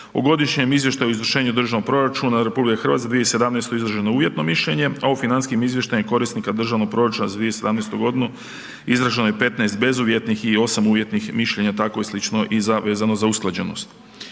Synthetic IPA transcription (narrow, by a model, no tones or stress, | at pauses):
oɡo̞d̪iʃɲemizʋje̞ʃt̪ajoizʋr̩ʃe̞ːɲud̪r̩ʒanopɾo̞ɾat͡ʃunaɾepublikaxɾr̩ʋat̪kad̪ʋijese̞d̪amnejst̪oizɾaʒe̞nouːjet̪no̞miʃʎe̞ɲe̞aufinanskiemizʋje̞ʃt̪ajumko̞ɾisnikad̪r̩ʒano̞ɡ̚pɾo̞ɾat͡ʃunazad̪ʋijesed̪amneːst̪uɡo̞d̪inu | izɾaʒenojepe̞t̪naest̪̚be̞zuʋje̞t̪nixio̞samuːʋje̞t̪nixmiʃʎe̞ɲat̪akojislit͡ʃno̞ʔizaʋe̞ːzano̞zausklˠad͡ʑeno̞̰st̪